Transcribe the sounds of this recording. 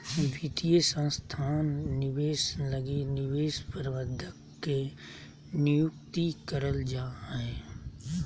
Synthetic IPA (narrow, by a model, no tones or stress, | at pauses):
ʋit̪ijəsə̃nst̪ʰaːnːɪweːsləɡinɪʋeːspəɾʋəd̪ʱəkː | e | nɪjʊkt̪ikəɾəld͡ʒaːɦeː